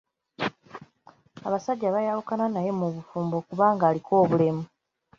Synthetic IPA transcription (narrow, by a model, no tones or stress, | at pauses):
aβasaɟːaβajalukananaje̞muβufuːmbo̞kuβaːŋɡaːliko̞ːβule̞mu